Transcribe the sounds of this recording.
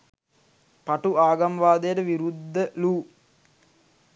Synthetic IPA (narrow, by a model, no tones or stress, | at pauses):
paʈuaːɡɐmʋaːd̪ejəʈəʋiɾud̪ːəluː